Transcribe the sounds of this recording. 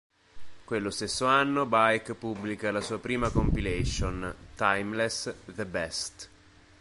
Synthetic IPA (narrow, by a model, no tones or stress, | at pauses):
kwelːost̪esːoanːobajkpubːlikalasuːapɾiːmakompileʃont̪ajmlesd̪əbɛst̪